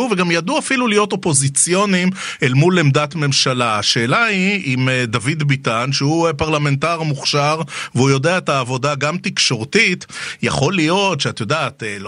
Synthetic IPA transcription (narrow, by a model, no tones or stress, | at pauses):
uveɡamjad̪uafilulijo̞to̞po̞zit͡sjo̞nimelmulemd̪atme̞mʃalaaʃe̞ːlaiimed̪avidbit̪anʃeupaʁlame̞ntaʁmuχʃaʁveujo̞deaet̪aːvo̞daɡamt̪ikʃo̞ʁtit̪ja̰χo̞lijo̞tʃeat̪jo̞daːt̪el